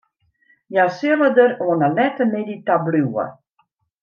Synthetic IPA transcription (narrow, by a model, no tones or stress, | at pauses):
jasɪlədəroənəlɛtəmeditabluwə̰